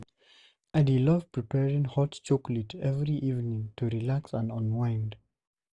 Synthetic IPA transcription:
adilʌvpʰɹ̥ipʰɛɹĩŋhɔtt͡ʃoklətʰɛvɹiʔivnĩŋtʰuɹilaksə̃nɔ̃nwãɪ̃nd

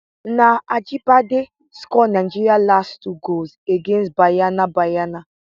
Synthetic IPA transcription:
naad͡ʒipade | skɔnaɪd͡ʒiɾialastuɡolzeɡẽnsbajanabajana

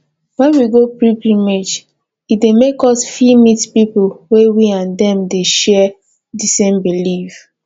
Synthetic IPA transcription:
wɛ̃nwiɡopɹipimed͡ʒ | idemekɔsfimitpipowewiãndɛ̃mdeʃɛ | disẽmbilif

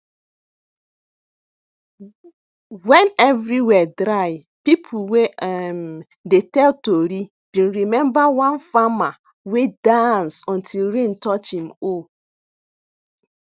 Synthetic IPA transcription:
wɛ̃nɛvɾiwɛdɾaɪ | pip̩ʰwem | detɛltoɾi | b̥ĩnɾimɛ̃mbawãnfama | wedãnsɔ̃ntʰilɾẽntɔt͡ʃĩmo

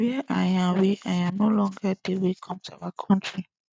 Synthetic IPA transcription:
iaʔajãweʔaj̃ãnolɔ̃ŋɡadewekʰɔ̃mtua̰wakʰɔ̃ntʰɹi

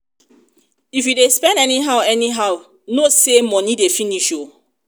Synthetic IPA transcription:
ifjudespɛ̃ndɛniɦaʊɛniɦaʊ | nosemɔnidefiniʃo

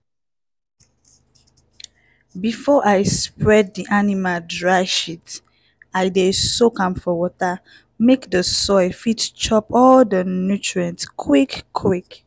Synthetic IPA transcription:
bifɔʔajspɹɛd̚diʔanimaldɹaɪʃit | aɪdesokãmfɔwɔta | mekdəsɔɪfitt͡ʃɔpɔldənjutʰɹiãntkʰwikːʰwik

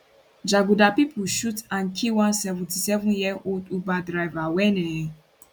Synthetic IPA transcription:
d͡ʒaɡudapipʰuʃutãnkʰiwãnsɛvũtisɛvũnjɛʔoldubadɾajvawɛnɛ̃

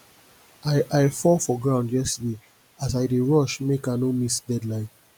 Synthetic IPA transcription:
aʔaɪfɔfɔɡɹãʊ̃ndjɛstəde | asaɪdeɹɔʃmekanomisdɛdlãɪ̃n

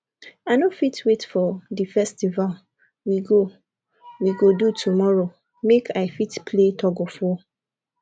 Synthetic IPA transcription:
aɪnofitʰwetfɔdifɛstival | wiɡo | wiɡodutʰumɔɹo | mekʰaɪfitpʰletʰɔɡɔfɔ

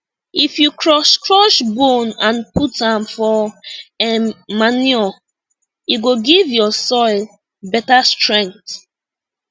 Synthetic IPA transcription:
ifjukʰɹɔʃkɹɔʃbonãnputãmfɔ | ɛmaniɔ | iɡoɡivjɔsɔɪl | bɛtastɹɛ̃ŋk̚θ

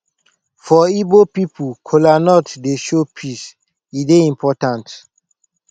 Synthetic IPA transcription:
fɔibopipʰukʰɔlanɔtdeʃopʰis | ideĩmpʰɔtãnt

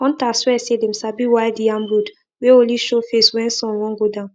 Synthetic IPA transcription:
ɔ̃n̩taswɛsedem̩sabiwaɪdiãmɾud | weoliʃofeswɛ̃nsɔ̃nwɔ̃ŋɡodãn

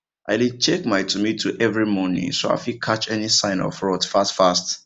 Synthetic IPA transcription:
ʔa̰ɪlit͡ʃʰekmaɪtʰumitʰuʔɛvɹimɔnɪ̰̃ŋsoa̰fikʰat͡ʃɛnisãɪ̃nɔ̰fɹɔtfastfast

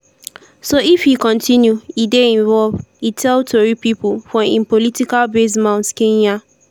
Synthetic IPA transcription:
soifhikɔ̃ntʰĩnjuideĩɱvɔlvitʰɛltʰoɹipipufɔ̃ĩmpolitikalbes̬mãʊ̃ntkẽɲa

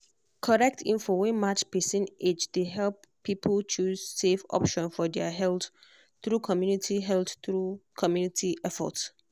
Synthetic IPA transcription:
kʰɔɹɛk̚tʰĩnfowɛ̃mat͡ʃpesĩned͡ʒdeɦɛlp | pʰːipʰəlt͡ʃʰussefɔ̰pʃɔ̃nfɔdɛəɦɛlt | tɹukʰɔmjunitʰiɦɛlθtɹukʰɔmjunitʰiʔɛfɔ̰ts

